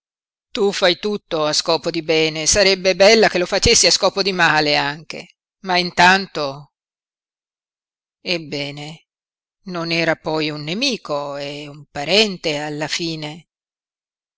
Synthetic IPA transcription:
t̪ufajt̪ut̪ːoaskɔːpod̪ibɛːnesaɾɛbːebɛlːak̟elofat͡ʃesːiaskɔːpod̪imaːleaŋk̟ḛ | maint̪ant̪o | ebːɛːne | nonɛːɾapɔjunːemiːkoɛumpaɾɛnt̪ealːafiːne

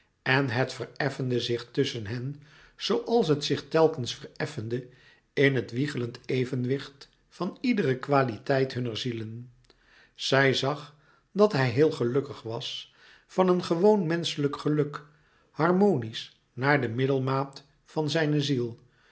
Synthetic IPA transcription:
ɛnɦətfərɛfəndəzɪχtɵsənɦɛn | z̥owʔɑlˠs̬ɦətsɪχtɛlˠkənsfərɛfəndə | ɪnɦətʋiχələntejvənʋɪχt | fɑnidərəkʋaːlitɛjtɦɵnəɹzilən | z̥ɛjzɑχ | dɑtɦɛjɦɪːlˠχəlɵkəχʋɑs | fɑnənχəʋownmɛnsələkχəlɵk | hɑrmownis | naːɹdəmɪdəlˠmaːt | fɑnzɛjnəzilˠ

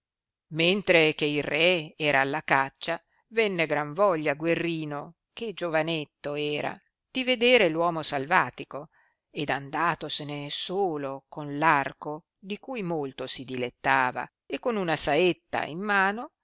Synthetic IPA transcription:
ment̪ɾek̟eilrɛeɛːɾaːlːakat͡ʃːa | vɛnːeɡɾaɱvɔʎːaɡwerːiːno | ked͡ʒovanet̪ːoɛːɾa̰ | d̪̥ived̪eːɾelwɔːmosalvaːt̪iko | ed̪and̪aːt̪osenesoːlokonlarko | d̪ikujmolt̪osid̪ilet̪ːaːva̰ | ekːonunasaet̪ːa̰ḭmːaːno

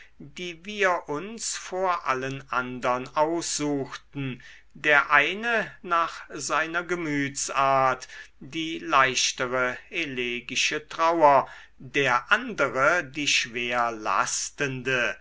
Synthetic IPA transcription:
diːviːɐʔʊnsfoːɐʔa̰lənʔa̰ndɐnʔaʊsz̥uːxtn̩ | deːɐʔaɪnənaːχzaɪnɐɡəmyːt͡saːɐtd̥iːlaɪʃtəʁəʔeleːɡɪʃətʁ̥aʊɐ | d̥eːɐʔandəʁədiːʃv̥eːɐla̰stəndə

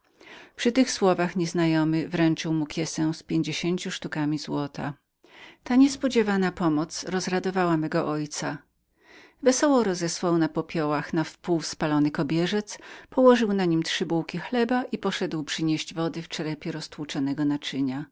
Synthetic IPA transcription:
pʂɨt̪ɘxswɔvaxɲɛznajɔmɘvɾɛnt͡ʂɘwmukʲjɛsɛ̃spʲjeɲd͡ʑeɕeɲt͡ɕuʂt̪ukamʲizwɔt̪ʰa̰ | t̪aɲɛspɔd͡ʑɛvanapɔmɔt̪sɾɔzɾad̪ɔvawamɛɡɔʔɔjt̪sa | vɛsɔwɔɾɔzɛswawnapɔpʲjɔwaxnafpuwspalɔnɘkɔbʲjɛʐɛt̪spɔwɔʐɘwnaɲimt̪ʂɘbuwkʲixlɛbaʔipɔʂɛd̪wpʂɘɲɛʑd͡ʑvɔd̪ɘft͡ʂɛɾɛpʲjɛɾɔst̪wut͡ʂɔnɛɡɔnat͡ʂɘɲa

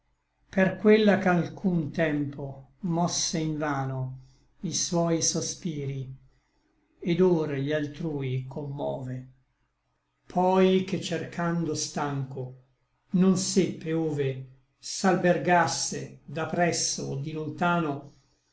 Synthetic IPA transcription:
perkwelːakalkʰunt̪ɛmpʰomɔsːeiɱvaːno | iswɔjsospiːɾi | ed̪oːɾʎialt̪ɾuːjkʰomːɔ̰ːve | pʰɔjket͡ʃːerkʰand̪ost̪aŋko | nonsepːeoːve | salberɡasːed̪apːɾɛsːo̰ːd̪ilont̪aːno

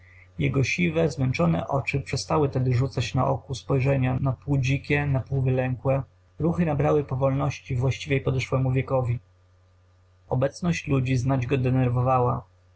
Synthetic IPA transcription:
jɛɡɔɕivɛzmɛnt͡ʂɔnɛ̰ʔɔt͡ʂɘpʂɛst̪awɘt̪ɛd̪ɘʐut̪sat͡ɕna̰ʔɔ̰kuspɔjʐɛɲanapuwd͡ʑikʲɛnapuwvɘlɛŋkwɛ | ɾuxɘnabɾawɘpɔvɔlnɔɕt͡ɕivwaɕt͡ɕivʲjɛjpɔd̪ɛʂwɛmuvʲjɛkɔvʲi | ɔbɛt̪snɔɕt͡ɕlud͡ʑiznad͡ʑɡɔd̪ɛnɛɾvɔvawa

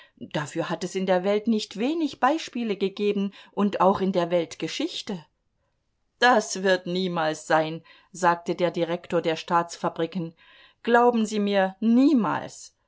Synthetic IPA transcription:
d̥afyːɐɦatɛsɪndeːɐvɛltnɪçtv̥eːnɪçb̥aɪʃpiːləɡəɡeːbn̩ʔʊntaʊxɪndeːɐvɛltɡ̥əʃɪçtə | d̥asv̥ɪɐtniːmaːlsz̥aɪn | zaːk̚tədeːɐdiʁɛktoːɐdeːɐʃtaːt͡sfabʁikn̩ | ɡ̥laʊbm̩ziːmiːɐniːma̰ːls

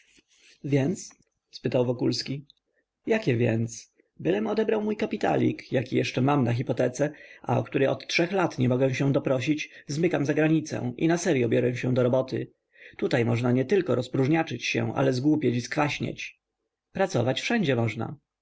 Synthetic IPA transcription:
vʲjɛnt̪s | spɘt̪awvɔkulskʲi | jakʲɛvʲjɛ̰nt̪s | bɘlɛmɔd̪ɛbɾawmujkapʲit̪a̰lʲḭkjakʲijɛʂt͡ʂɛmamnax̬ʲipɔt̪ɛt̪sɛʔa̰ɔ̰kt̪uɾɛjʔɔt̪tʂɛxlat̪ɲɛmɔɡɛw̃ɕɛ̃d̪ɔpɾɔɕ̬it͡ɕzmɘkamzaɡɾaɲit̪sɛ̰̃ʔḭnasɛɾjɔbʲjɔɾɛw̃ɕɛ̃d̪ɔɾɔbɔt̪ɘ̰ | t̪ut̪ajmɔʐnaɲɛt̪ɘlkɔɾɔspɾuʐɲat͡ʂɘt͡ɕɕɛ̰̃ʔa̰lɛzɡwupʲjet͡ɕiskfaɕɲḛt͡ɕ | pɾat̪sɔvat͡ɕfʂɛɲd͡ʑɛmɔʐna̰

